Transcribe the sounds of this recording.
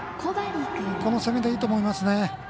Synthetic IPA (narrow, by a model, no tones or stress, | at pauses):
kʰod̪ad̪ak̪ako̞nosemʲed̪eiːt̪omo̞imasɨne̞